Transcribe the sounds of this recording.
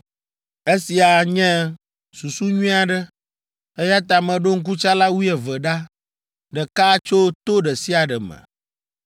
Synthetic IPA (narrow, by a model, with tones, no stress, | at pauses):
e˦si˨a˨ɲɛ̃˦ | su˨su˦ɲuĩ˦a˨ɖɛ˦ | e˦ja˦t̪a˨mɛ̃˨ɖo˦ŋ̩˦k̬u˦t͡ʃa˦la˦wu˦ɛ˨və˨ɖa˦ | ɖɛ˨ka˦t͡ʃo˦t̪o˦ɖɛ˨si˦a˨ɖɛ˨mɛ̰̃˨